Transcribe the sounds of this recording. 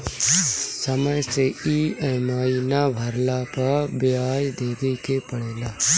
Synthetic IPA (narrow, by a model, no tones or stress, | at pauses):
səməjseiəmaːinabʱəɾlapəɾbɪjaːjd̪eːd̪eːkʰepəɽeːlaː